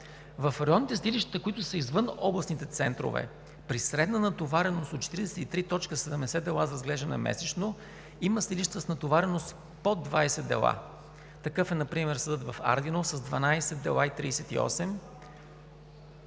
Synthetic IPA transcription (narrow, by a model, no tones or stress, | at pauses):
vɐfɾɛɔnit̪ɛst̪ilʲiʃt̪ə̥t̪əkoit̪ʊsəizvɤnɔblˠɐsnit̪ɛt̪sɛnt̪ɾo̰vɛ̰ | pɾisɾɛd̪nənɐt̪ovaɾɛnost̪ot̪̚t͡ʃɛ̥t̪iɾid̪ɛsɛt̪it̪ɾit̪ɔt͡ʃkəsɛd̪ɛmd̪ɛsɛd̪ɛlˠazɾɐzɡlɛʒd̪ənɛ̰mɛ̰sɛt͡ʃno | iməst̪iliʃt̪ət̪snɐt̪ovaɾɛnost̪ | pod̪ːvajsɛd̪ɛ̰lˠa̰ | t̪ɐkɤfɛnɐpɾimɛɾsəd̪ət̪vɐfa̰ɾd̪inosɐzd̪vɐnajsɛd̪ɛ̰lˠait̪ɾisɛt̪ḭɔ̰sɛm